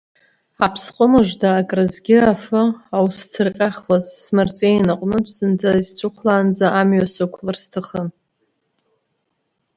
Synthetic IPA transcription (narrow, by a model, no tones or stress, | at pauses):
apʰsqʼəmɨʒʷdaːkʼrɨzɡʲɪafɨawst͡sʰɨrqʲʼaχwazsmart͡sʼejnaqʷʼmɨpʰsɨnd͡zazt͡sʷʰʼʊχʷʰlaːnd͡zaʔamɥasɨkʷʰlɨrstʰaχən